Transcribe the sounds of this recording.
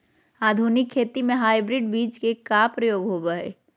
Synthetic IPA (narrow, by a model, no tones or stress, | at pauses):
aːd̪ʱuːnɪkʰːeːt̪imẽɦaːibɾɪɖbiːt͡ʃkekaːpɾɐjoːɡɦoːbaḛː